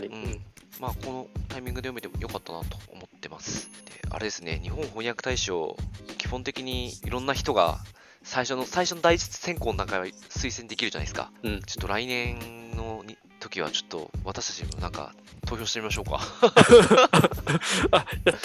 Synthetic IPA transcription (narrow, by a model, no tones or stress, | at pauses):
ɯ̟̃ɴmako̞no̞t̪aimʲĩŋɡɯd̪ejome̞t̪e̞mo̞̰jo̞kat̪ːana̰t̪o̞̰ːmo̞t̪ːe̞masɨ̥d̪̥e̞̰a̰ɾe̞d̪e̞sɨne̞̰ɲ̟iɦõɰ̃ɦõɲ̃jakɯ̟t̪aiɕio̰kʲi̥hõ̞nt̪e̞kʲiɲ̟iiɾõ̞nːaçi̥t̪o̞ɡa̰ | saiɕo̞no̞saiɕo̞no̞d̪ait͡ɕi̥t͡sɨ̥sẽ̞ŋkoːno̞nakaβsɨisẽ̞nd̪e̞kʲiɾɯ̟d͡ʑana̰iesɨ̥ka̰t͡ɕo̥t̪ːo̞ɾainẽ̞nno̞ɲ | t̪o̞kʲiβ̞a̰t͡ɕo̞̥t̪ːo̞̰βat̪aɕi̥t̪ḁt͡ɕimo̰nãŋka̰ | t̪o̞ːçoɕit̪emʲimaɕo̞ːka̰ | ja